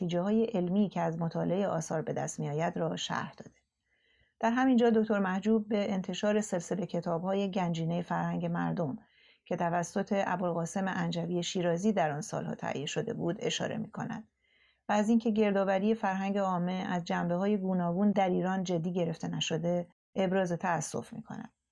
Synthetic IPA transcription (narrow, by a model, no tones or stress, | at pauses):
t̪iːd͡ʒehɒːje̞ʔelmiːcʰeæzmot̪ʰɒːle̞eʔɒ̰ːsɒːɾbe̞d̪æ̰st̪miɒːjæd̪ɾɒːʃæ̰ɾhd̪̥ɒ̰ːd̪e | d̪̥æɾɦæmind͡ʒɒːd̪o̞kct̪o̞ɾmæhd͡ʒuːb̚ːe̞ːnt̪ʰe̞ʃɒːɾe̞se̞lse̞le̞cʰet̪ʰɒːbhɒːje̞ɟænd͡ʒiːne̞jefæɾhæŋɟe̞mæ̰ɾd̪o̞m | cʰe̞t̪ʰævæsːo̞t̪ʰe̞ʔæbolɣɒːse̞me̞ʔænd͡ʒæviːeʃiːɾɒːziːd̪æɾɒnsɒ̰ːlhɒ̰ːt̪ʰæ̰ʔjeʃo̞d̪e̞̰buːd̪e̞ʃɒ̰ːɾe̞̰mḭːkʰo̞næ̰d̪̥ | væːziːŋcʰe̞ɟe̞ɾd̪ɒːvæɾije̞fæɾɦæŋɟe̞ɒːmːe̞æzd͡ʒæmbe̞ɦɒːje̞ɡuːnɒːɡuːnd̪æɾiːɾɒːnd͡ʒe̞d̪ːiːɟe̞ɾe̞ft̪e̞næʃo̞d̪e̞ | ʔebɾɒːzet̪ʰæːsːo̞̰fmḭːkʰo̞̰næ̰d̪̥